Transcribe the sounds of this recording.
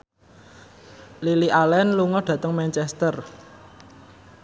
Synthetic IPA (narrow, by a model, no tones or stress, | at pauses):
liliʔalɛnluŋɔɖ̥ä̤t̪əŋmɛnt͡ʃɛst̪ər